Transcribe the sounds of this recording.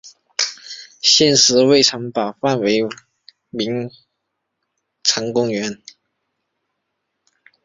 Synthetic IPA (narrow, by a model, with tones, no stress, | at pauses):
ɕjɛ˥˩nʂɻ̩˧˥we˥˩ɪʈ͡ʂʰɤ˧˥ŋpɑ˨˩ʊfa˥˩nwe˧˥ɪ | mi˧˥ŋ | ʈ͡ʂʰɤ˧˥ŋkʊ˥ŋɥɛ˧˥n